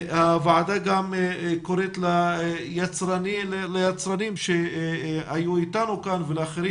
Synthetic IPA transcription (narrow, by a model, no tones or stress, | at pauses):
havaʕad̪aɡamkoɾet̪lajat͡sɾanillejat͡sɾanimʃe | ajuitanukanveleaχeɾim